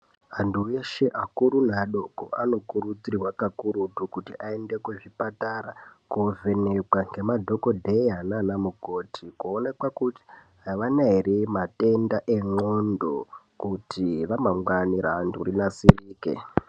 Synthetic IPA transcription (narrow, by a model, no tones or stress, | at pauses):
ɦantʰueʃe̞ʔakuɾun̤aɗo̞ko̰ano̞kuɾud͡zirirwakakuɾutukutiʔaende̞kweʐipataɾakove̞nekwaŋɡe̞madʱo̞kodʱeiɦananamuɡʱo̞tʰikuone̞kwakuti̥ɦaʋanaiɾemate̞ndaʔe̞ŋ͡ǃondo | kutʰiʋamaŋɡwaniɾantʰṵrinasiriːkḛ